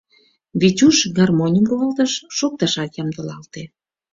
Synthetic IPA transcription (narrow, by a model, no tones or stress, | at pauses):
βit͡ɕuʃɡɑrmonʲəmkuəlt̪ə̆ʃːok̚t̪ɑʃɑkjɑmd̪ə̆lɑlt̪e